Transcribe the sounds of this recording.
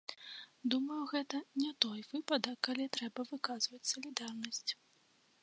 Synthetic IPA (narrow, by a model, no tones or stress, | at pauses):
d̪umɐwɣɛt̪ɐnʲɛt̪ɔjvɨpɐd̪ɐkːalʲit̪ɾɛbɐvɨkazvɐt͡sʲsɐlʲid̪arnɐsʲt͡sʲ